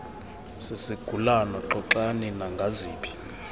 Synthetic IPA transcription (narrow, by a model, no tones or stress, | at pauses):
sisiɡ̥ʱulanɔǁɔǁaninaŋɡʱaziːɓʰʼi̥